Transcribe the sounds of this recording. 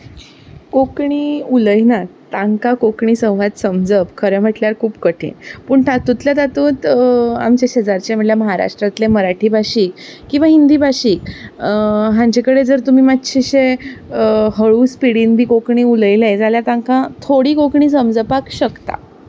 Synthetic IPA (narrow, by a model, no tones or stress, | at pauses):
kokɳiːuləjnat̪aŋkakokɳiːsə̃w̃ʋad̪səmd͡zəpkʰəɾəm̤əʈljaɾkʰuːpkəʈʰḛnpuːɳʈʰat̪ut̪ljat̪at̪uːt̪a̰mt͡ɕaɕed͡zaɾt͡ɕam̤əɽljaməɦaɾa̰ʂʈɾat̪leməɾaʈʰiːbʱaɕiːkkːĩw̃ʋaɦind̪iːbʱaɕiːk | ɦãɲt͡ɕekəɽed͡zəɾt̪um̤iːmat̪ɕiɕe | ɦəɭuːspiɽinbʱiːkokɳiːuləjlajd͡zaljat̪ãŋkãt̪ʰoɽiːkokɳiːs̬əmd͡zəpakɕəkt̪a̰